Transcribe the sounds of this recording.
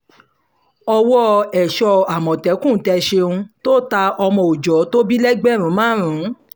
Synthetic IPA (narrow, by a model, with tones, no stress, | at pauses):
ɔ˧wɔ˦ɛ˨ʃɔ˧a˨mɔ̃˨tɛ˨˦kũ˦˨˦tɛ˧ʃe˧ũ˧to˦˨ta˧ɔ˧mɔ̃˧o˨d͡ʒɔ˨˦to˦bi˦lɛ˦ɡ͡bɛ˦˨ɾũ˨˦mãː˦ɾ̃ũ˨˦